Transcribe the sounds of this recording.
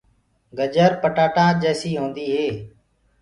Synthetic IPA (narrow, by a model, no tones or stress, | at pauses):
ɡəd͡ʒəɾpəʈaːʈãːd͡ʒeːsiːɦõːnd̪iːɦeː